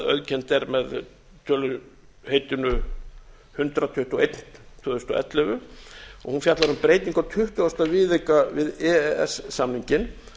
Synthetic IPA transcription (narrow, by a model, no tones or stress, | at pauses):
œ̰ðcʰɛnt̪ɛɾmɛð | t̪ʰœːlʏ | heːjt̪ɪnʏ | hʏnt̪ɾat̪ʰʏht̪uḛjt̪n̥t̪ʰœːðʏst̪ɔʔɛ̰t̪lɛvʏɔ̰ɣhunfjat̪laɾʏmpɾeːjt̪iŋkawt̪ʰʏht̪ʏast̪avɪːðekavɪðɛɛ̰sːamniɲcɪn